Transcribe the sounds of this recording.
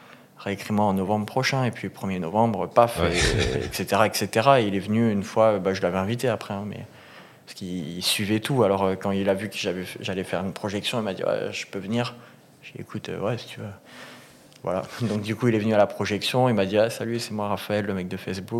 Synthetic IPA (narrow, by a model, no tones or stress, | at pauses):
ʁeekχimwɛ̃ɑ̃nɔvɑ̃bʁəpχɔʃɛ̃epɥiəpχəmjenɔvɑ̃bʁəpafeɛ̰kset̪eʁaɛkset̪eʁaeilɛvənyynfwaøbaʒəlavɛɛ̃vit̪eapχɛɛ̃mɛ̰ | paskisɥivɛt̪ualɔʁøkɑ̃ilavykəʒavɛʒalɛfɛʁynpχɔʒɛksjɔ̃ilmad̪ḭwa̰ʒə̥pøvəniːʁ | ʒ̥əḛkʰut̪ø̰wɛsi̥t̪ʰyvø | vwa̰la̰d̪ɔ̃kd̪ykuilɛvənyalapχɔʒɛksjɔ̃ilmad̪iasalɥisɛmwaʁafaɛlːəmɛk̚d̪əfɛsbuk